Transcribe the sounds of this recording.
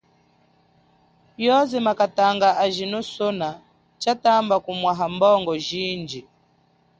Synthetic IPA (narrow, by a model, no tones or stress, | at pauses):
jɔzɛmakataŋɡaaʒinusɔna | t͡ʃatambakumwaɦambɔŋɡɔʒind͡ʒi